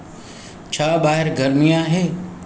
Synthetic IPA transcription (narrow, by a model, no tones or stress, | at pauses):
t͡ʃʰaːbaːɦɪɾɡɐɾmijãɦeː